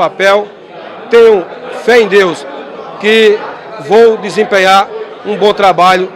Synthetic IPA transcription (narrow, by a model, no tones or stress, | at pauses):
apɛw | t̪ẽɲʊ̃fɛẽj̃d̪ewskɪ | vowd̪ɪzẽmpẽɲaɾ | ũbõt̪ɾabaʎʊ